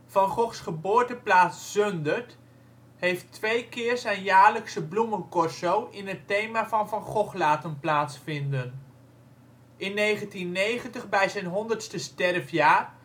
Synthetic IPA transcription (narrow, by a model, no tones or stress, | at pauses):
vɑnχɔχsχəbʊːɹtəplaːtsːøndəɹt | hejftʋejkɪːɹsɛjnjaːɹləksəblumənkɔsowʔɪnɦətejmavɑnvɑnχɔχlaːtənplaːtsfɪndən | ʔɪnːejχəntinːejχəntəχbɛjzɛjnɦɔndəɹtstəstɛrfjaːr